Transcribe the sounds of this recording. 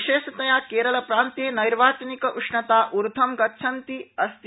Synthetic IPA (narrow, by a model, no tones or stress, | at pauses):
ʃeːʃɐt̪ɐjaːkeːɾɐlɐpɾaːnt̪jeːnɐjɾʋaːt͡ʃɐnikɐʔuʂnɐt̪aːʔuɾd̪ʱɐmɡɐtːʃʰɐnt̪iɐst̪